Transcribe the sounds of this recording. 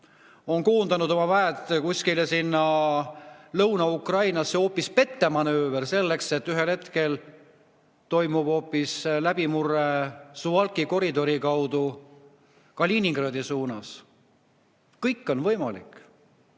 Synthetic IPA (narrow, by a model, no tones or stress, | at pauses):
o̞nkuːnd̪ɑnud̪o̞mɑvæet̪ːˑkusʲkilʲjesinːɑ | lɤwnɑukrɑjnɑsːeo̞ːpːˑispe̞t̪ːemɑnøːveɾse̞lːe̞kse̞t̪ːyɦe̞lhe̞t̪ke̞l | t̪o̞jmub̥o̞ːpːˑislæb̥imurːe̞suɑlkiko̞ɾid̪o̞ɾikɑwd̪̥u | kɑliniŋɡ̥rɑd̪isuːnɑs | kɤjkːˑo̞nvɤjmɑlḭkˑ